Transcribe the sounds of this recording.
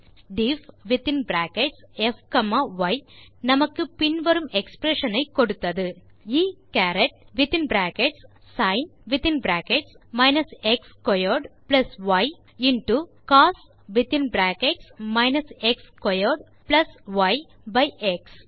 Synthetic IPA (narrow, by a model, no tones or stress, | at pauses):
ɖifʋit̪inbɾaːkeʈsefkɐmaʋɐjnɐmɐkːɨpinʋɐɾumekspɾeʂɐnɐɪkːoɽut̪ːɐðɨ | iːkaːɾeʈ̚ʋit̪inbɾaːkeʈsː | ɐɪnʋit̪inbɾaːkeʈsmɐɪnɐsekskojoːɖplɐsʋɐj | iɳʈu | kaːs | ʋit̪inbɾaːkeʈsmɐjnɐsekskojoːɖ | plɐsʋɐj | bɐjʔeks